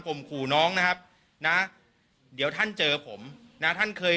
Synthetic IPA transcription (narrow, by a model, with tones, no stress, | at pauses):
pʰo˨˩mkʰuː˨˩nɔː˦˥ŋna˦˥kʰa˦˥p̚ | na˦˥ | di˩˦əwt̪ʰa˥˩nt͡ɕɤː˧pʰo˩˦mna˦˥t̪ʰa˥˩nkʰɤː˧